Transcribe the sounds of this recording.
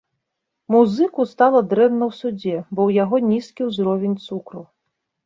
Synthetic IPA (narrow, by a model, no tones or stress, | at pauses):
muzɨkust̪alˠɐd̪ɾɛnnɐwsud͡zʲɛbɔwjaɣɔnʲiskʲiwzɾɔvʲenʲt̪sukɾu